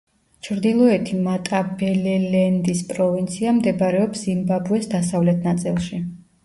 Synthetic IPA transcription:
t͡ʃʰɾd̪ilˠɔɛt̪ʰimat̪ʼabɛlɛlɛnd̪ispʼɾɔvint̪sʰiamd̪ɛbɾɛɔpszimbabuɛsd̪asavlɛt̪ʰnat̪sʼilˠʃi

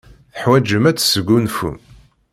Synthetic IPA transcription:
θəħwæd͡ʒəmæt͡sːsəɡːunfṵm

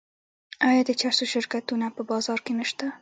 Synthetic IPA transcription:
ajɑd̪ət͡ʃaɾsoʃɪɾkat̪unapəbɑzɑɾkenəʃt̪a

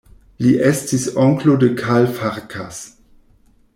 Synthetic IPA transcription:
liʔestisoŋklodəkʰalfaʁkʰas

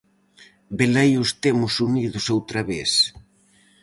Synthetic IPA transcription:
belejʊst̪emʊsuniðʊsowt̪ɾaβes

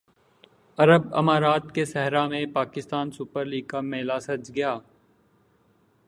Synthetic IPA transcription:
ɐɾəbɐ̰maːɾaːt̪kesɛɦɾamẽpaːkɪst̪aːnsʊpəɾliːɡ̚kameːlasɐd͡ʒɡɐjaː

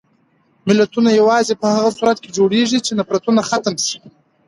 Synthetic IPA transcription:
mɪlat̪unajawɑzepəhaɣasuɾat̪̚ked͡ʒoɽeʐit͡ʃenapɾat̪unaxat̪amsi̥

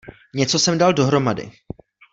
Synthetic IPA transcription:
ɲɛt͡so̞sɛmdaldo̞ɦɾo̞madɪ̰

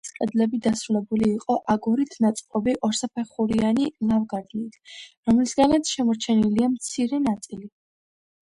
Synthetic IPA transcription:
sʼqʼɛd̪lɛbid̪asɾulɛbuliːqʼɔʔaɡuɾit̪ʰnat̪sʼqʼɔbiʔɔɾsapʰɛχuɾianilavɡaɾd̪nit̪ʰɾɔmlisɡalɛt̪ʃɛmɔɾt͡ʃʰɛniliamt̪sʰiɾɛnat̪sʼili

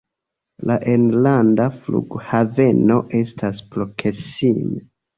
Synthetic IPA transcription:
laʔenlandaflṵɡhave̞no̞ʔe̞stʰasplokʰesime

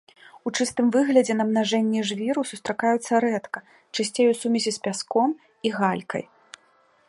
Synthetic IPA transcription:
ut͡ʂɨst̪ɨmvɨɣlʲɐd͡zʲɛnɐbnaʐɛnʲːɛʐvʲiɾusust̪ɾakajut̪sːɐɾɛt̪kɐ | t͡ʂasʲt͡sʲejusumʲɛzʲɛspʲaskɔm | iɣalʲkɐ̰j

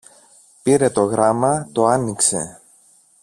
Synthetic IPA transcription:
piɾe̞t̪o̞ɣɾɐmɐt̪o̞ɐnikse̞̰

